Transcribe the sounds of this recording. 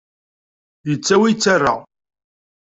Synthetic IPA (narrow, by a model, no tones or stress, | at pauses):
jət͡sːæwit͡sːarːa̰